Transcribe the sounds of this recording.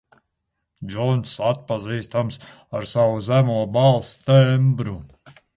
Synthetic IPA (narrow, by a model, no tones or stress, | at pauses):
d͡ʒɔnsat̪̚paziːst̪ams | aɾsawuzæmuɔbalˠst̪ɛmbɾu